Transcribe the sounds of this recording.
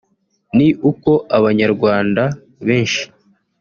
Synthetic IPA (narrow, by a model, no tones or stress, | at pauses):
niʔuko̞ʔaβaɲaɾɡwaːnda | βe̞ːnʃi̥